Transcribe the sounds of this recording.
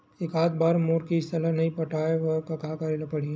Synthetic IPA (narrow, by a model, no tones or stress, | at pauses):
ɪkaːd̪baːɾmoːɾkiɪst̪ɐlanɐĩpɐʈʰaːeʋɔkakaːkaːɾilapɐɽ̤iẽ